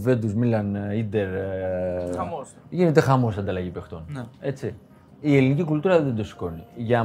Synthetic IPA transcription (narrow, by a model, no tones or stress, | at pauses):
ve̞d̪uzmilɐnid̪eɾ | ʝinet̪e̞xɐmo̞sɐnd̪ɐlɐʝipext̪o̞ne̞t͡si | ie̞linicikult̪uɾɐðe̞nd̪osi̥ko̞niʝɐ